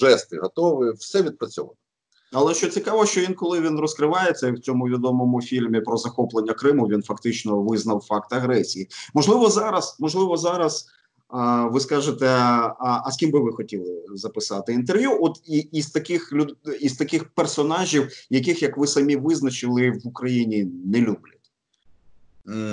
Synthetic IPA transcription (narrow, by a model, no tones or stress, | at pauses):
ʒɛst̪ɪɦɔt̪ɔʋɪwsɛʋʲid̪̚pɾɐt͡sʲɔ̰ʋa̰t̪ɪ | ɐlˠɛʃt͡ʃɔt͡sʲikɑʋɔʃt͡ʃɔʋinkɔlˠɪʋʲinrɔskɾɪʋɑjet͡sʲːɐiwt͡sʲɔmʊʋʲid̪ɔmɔmʊfʲilʲmʲipɾɔzɐxɔplˠenʲːɐkɾɪmʊʋʲinfɐkt̪ɪt͡ʃnɔʋɪznɐwfɑkt̪ɐɣɾɛsʲijimɔʒlˠɪʋɔzɑɾɐsmɔʒlˠɪʋɔzɑɾɐs | ʋɪskɑʒɪt̪ɛ | ɐsʲkʲimbɨʋɪxɔtʲilˠɪzɐpɪsɑt̪ɪint̪̬erʋʲjuʔɔt̪iːst̪ɐkɪxlʲʊizt̪ɐkɪxpersɔnɑʒʲiwjɐk̬ɪxjɐkʋɪsɐmʲiʋɪznɐt͡ʃɪlˠɪʋʊkɾɐjinʲinɛlʲublʲɐtʲ